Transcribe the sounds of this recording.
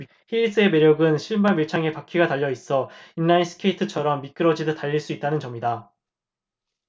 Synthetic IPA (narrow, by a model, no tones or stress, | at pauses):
çiʎːis͈ɯe̞me̞ɾjʌɡɯnɕʰiɭbamjiɭt͡ɕʰaŋe̞pakʰiɡataʎːʌis͈ʌinːains͈ʰɯ̥kʰe̞itʰɯt͡ɕʰʌɾʌmːik͈ɯɾʌd͡ʑidɯtaʎːiɭs͈uit̚t͈anɯnt͡ɕʌmida